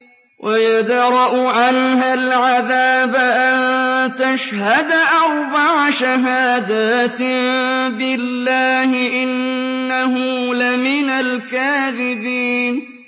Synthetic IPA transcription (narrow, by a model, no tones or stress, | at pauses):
wʔajad̪ɾˤɑʔʊʕanɦalʕaðaːbaʔant̪aʃhad̪aʔɑɾˤbaʕaʃaɦaːd̪aːt̪ | bɪlːaːhɪʔɪnːaɦʊlamɪnalkaːðɪbiːn